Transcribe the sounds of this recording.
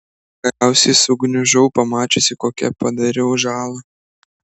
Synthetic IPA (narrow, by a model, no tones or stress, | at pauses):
ɡ̥ɐɾʲæˑʊsʲɛɪsʊɡnʲʊʒɔʊpɐmɑːt͡ʃʲosʲɪkoːkʲɛ̰pɐd̪ɐɾʲɪʊʒɑːlˠɐ